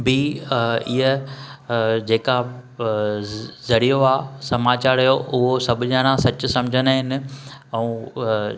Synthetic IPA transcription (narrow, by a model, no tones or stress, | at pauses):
biɪɦə | d͡ʑeːka | zɐɽijoaːsɐmaːt͡ɕaːɾijoʔʊɦosɐbʱʊɲãːnãsɐt͡ɕʊ̆sɐ̃md͡ʑʱənaɦɪnɪ̆ɛ̃ː